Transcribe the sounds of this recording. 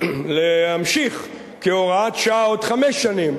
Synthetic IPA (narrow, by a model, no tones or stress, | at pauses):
lehamʃiχ | keoʁat̪ʃaod̪χameʃːanim